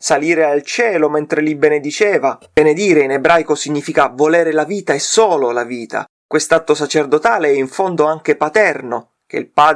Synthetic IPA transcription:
saliːɾealt͡ʃɛːlomɛnt̪ɾelibened̪it͡ʃɛːvabened̪iːɾeinebɾajkosiɲːiːfikavolɛːɾelaviːt̪aesoːlolaviːt̪a̰ | kwest̪at̪ːosat͡ʃerd̪ot̪aːleɛiɱfond̪oaŋk̟epat̪ɛrno | k̟ḛilpaːd̪

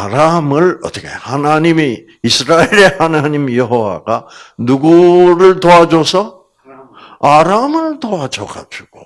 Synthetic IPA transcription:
aɾamɯɭʌ̰t̪ɯkehanaɲimi | isʰɯɾaeɾe̞hanaɲimjʌɦowa̰ɡanuɡuɾɯɭt̪oad͡ʑosʰʌ | aɾamɯɭt̪oad͡ʑʌɡa̰d͡ʑuɡ̥o

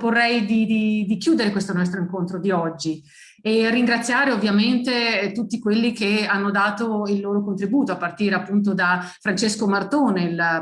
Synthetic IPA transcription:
porːɛjd̪id̪id̪ikjuːd̪eɾekwest̪onɔs̬t̪ɾoiŋkont̪ɾod̪iɔd͡ʒːi | erːiŋɡɾat̪sːjaːɾeovːjament̪et̪ut̪ːikwelːikeanːod̪aːt̪oilːoːɾokont̪ɾibuːt̪oapːart̪iːɾeapːunt̪̬od̪afɾant͡ʃeskomart̪oːneil

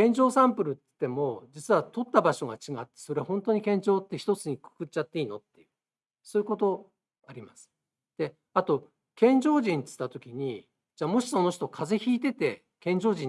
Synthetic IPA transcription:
ẽ̞ɲ̟d͡ʑo̞ːsãmpɯ̟ɾɯ̟t̪t̪ːe̞mo̞d͡ʑit͡sɨβat̪o̞t̪ːabaɕo̞ɡat͡ɕiɡat̪ːe̞̥so̞ɾe̞hõ̞nt̪o̞ɲ̟ikẽ̞ɲ̟d͡ʑo̞ːt̪ːe̞çi̥t̪o̞t͡sɨɲ̟ikɯ̥kɯ̟t͡ɕːat̪ːe̞iːno̞t̪ːe̞jɯ̟ | so̞ːɯ̟kot̪o̞ | aɾʲimasɨ̥ | d̪̥e̞ | at̪o̞ | kẽ̞ɲ̟d͡ʑo̞ːʑĩnt͡sɨ̥t̪ːat̪o̞kʲiɲ̟i | d͡ʑaːmo̞ɕi̥so̞no̞çi̥t̪o̞kʰaze̞çiːt̪e̞t̪e̞ | kẽ̞ɲ̟d͡ʑo̞ːʑĩ

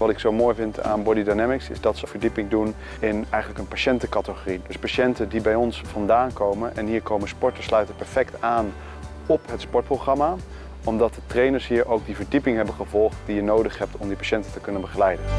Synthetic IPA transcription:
ʋɑtɪksowmoːjvɪnta̰ːnbɔdidajnɛmɪksɪ̰zdɑtsəv̥əɹdipɪŋdun | ɪnɛjχənləkənpaʃɛntəkɑtəχoridɵspaːʃɛntədibɛjɔnsfɑndaːnkowmənʔɛ̰nɦiːɹkowmənspɔɹtəslœɥtəpɛɹfɛktaːn | ɔpɦətspɔɹt̚prowχrɑma | ɔmdɑt̚dətrejnəɹsɦiːɹʔowɡ̚divəɹdipɪŋɦɛbəχəvɔlˠχt̚dijənowdəχɦɛp̚tɔmdipaʃɛntətəkɵnənbəχəlɛjdən

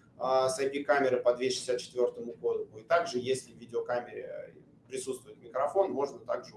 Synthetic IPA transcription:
asɐjpʲikamʲɪɾəpɐd̪vʲeʂɨ̥sʲat̪̚t͡ɕɪ̥t̪vʲo̞rt̪əmʊɡo̞d̪ʊmʊɪt̪aɡʐɨjesʲlʲɪvʲidʲɪokamʲɪɾʲɪ̰ | pɾʲɪtsut̪st̪vʊjɪt̪mʲɪkɾɐfo̞nmo̞ʐnət̪aɡʐɨ

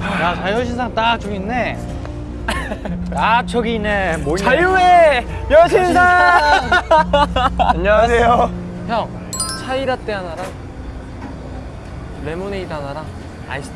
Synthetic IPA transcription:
jat͡ɕʰajʌɕʰinsʰaŋt͈at͡ɕʰʌɡinːe | tat͡ɕʰʌɡinemoajue | jʌɕʰinsʰa | aɲːaasʰejo | pjʌŋ | t͡ɕʰaiɾat͈eanaɾa | lemoneidanaɾa | a̰i

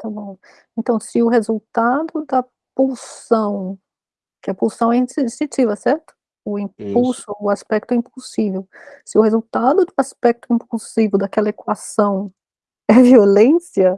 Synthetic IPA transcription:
t̪abõw̃ | ẽnt̪ɐ̃w̃sɪʊɦezuwt̪ad̪ʊd̪ɐ | pulsɐ̃w̃ | kɪɐpulsɐ̃w̃ɛĩsĩst̪ĩt͡ʃivɐsɛɾt̪ʊ̥ | ʊĩpulsʊːaspɛk̚t̪ʊɛĩpulsivewsɪʊhezuwt̪ad̪ʊd̪ʊaspɛk̚t̪ʊĩpulsivewd̪akɛlɐekwasɐ̃w̃ | ɛviolẽsiɐ

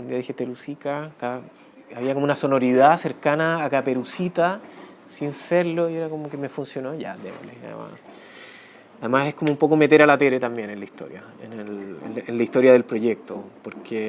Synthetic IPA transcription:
und̪iaðixet̪eɾusikaka | aβiakomounaso̞no̞ɾið̞aseɾkanaːkapeɾusit̪a | sinseɾloieɾako̞mokemefunsjo̞noʝa̰d̪ḛβo̰lesa̰ðḛma̰s | aðemase̞hkomoumpo̞kome̞t̪eɾalat̪eɾet̪ambje̞nenlaist̪o̞̰ɾja̰ | ḛnelḛnenlaiht̪o̞ɾjaðelpɾo̞ʝek̚t̪opoɾkʰe

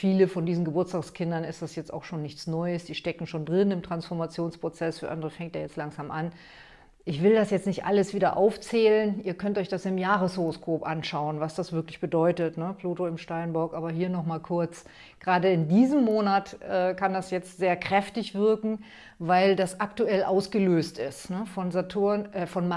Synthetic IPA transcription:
fiːləfɔndiːzn̩ɡəbʊɐtt͡staːkskʰɪndɐnɪstd̥asjɛt͡sta̰ʊxʃoːnːɪçt͡snɔʏəsd̥iːʃtɛkŋ̩ʃoːndʁɪnɪmtʁ̥ansfɔɐmat͡sjoːnspʁ̥ot͡sɛsfyːɐʔandəʁ̞əfɛŋtd̥eːɐjɛt͡stlaŋzaːmʔan | ʔɪçv̥ɪldasjɛt͡stnɪçtʔaləsv̥iːdɐʔa̰ʊft͡sɛːlənʔiːɐkʰœntɔʏçd̥asɪmjaːʁ̞əshoʁoskʰoːpʔanʃaʊənvasd̥asv̥ɪɐklɪçb̥ədɔʏtətnəpluːtoɪmʃtaɪnbɔɐkʔaːbɐɦiːɐnɔχmaːlkʰʊɐt͡s | ɡ̥ʁaːdəɪndiːzəmːoːnatʔɛːkʰandasjɛt͡stz̥eːɐkʁ̥ɛftɪçv̥ɪɐkŋ̩ | vaɪldasʔaktuɛlʔa̰ʊsɡ̥əløːstɪstnəfɔnzatʰunɛfɔnm

